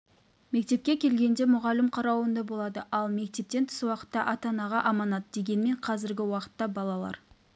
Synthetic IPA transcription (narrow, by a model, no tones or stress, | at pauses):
me̞k̚t̪e̞p̚kʲe̞kʲʰe̞lɡʲe̞nd̪e̞mʊʁɑlɪmqʰɑɾɑwənd̪ɑbo̞lˠɑd̪əʔɑlˠme̞k̚t̪e̞p̚t̪e̞nt̪ʰʊ̥swɑqə̥t̪ːɑʔɑt̪ɑnɑʁɑʔɑmɑnɑd̪əd̪e̞ɡʲe̞nɪme̞ɴqʰɑzɪɾɡʲɪwɑqə̥t̪ːɑbɑlˠɑlˠɑ̰ɾ